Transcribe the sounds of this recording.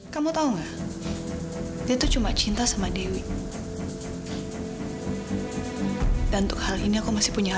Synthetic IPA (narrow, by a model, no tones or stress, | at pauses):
kamut̪auŋa | diat̪ut͡ʃumat͡ʃint̪asamadewi | danunt̪ʊk̚haliniakumasɪ̥puɲa